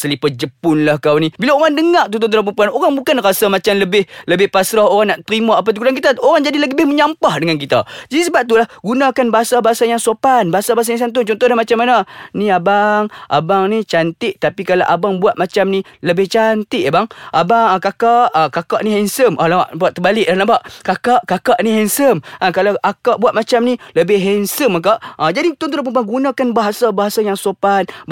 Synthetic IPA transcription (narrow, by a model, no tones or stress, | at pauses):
səlipad͡ʒəpʊnlahkawnibilaoɾaŋdəŋaʔt̪unt̪ʊnt̪ulap̬əmpuanoɾaŋbukanrasamat͡ʃamləbɪhləbɪhpasɾahoɾaŋnaʔt̪əɾimaap̬at̪ukudank̬it̪aoɾaŋd͡ʒadilaɡiəbɪhməɲampahdəŋank̬it̪a̰d͡ʒadisəbap̚t̪ulahɡunakanbaɦasabaɦasajaŋsopanbaɦasabas̬ajaŋsant̪ʊnt͡ʃɔnt̪ɔhdlahmat͡ʃamːananiabaŋʔa̰baŋnit͡ʃant̪ɪʔt̪apikalawʔabaŋbuat̪̚mat͡ʃamnĩləbɪht͡ʃant̪ɪʔbaŋʔabaŋkakaʔkakaʔnĩɦɛnsəmʔalawaʔbaʔt̪ːəbalɪʔ̚danabaʔkakaʔkakaʔnĩɦɛnsəmʔakalawʔakaʔbuaʔ̪̚mat͡ʃamnĩləbɪhɦɛnsəmak̬aʔəd͡ʒadit̪ɔnt̪ulpuŋpaŋɡunãkanbaɦasabaɦasajaŋsopan